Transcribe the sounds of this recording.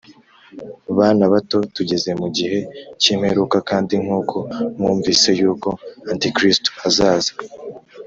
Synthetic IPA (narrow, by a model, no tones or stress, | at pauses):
βaːnaβato̞tuɟe̞ze̞muɟihe̞ciːm̥he̞ɾuːkakaːndiŋ̥uːkʰo̞mŋuːɱviːse̞juːko̞antikɾisto̥azaːza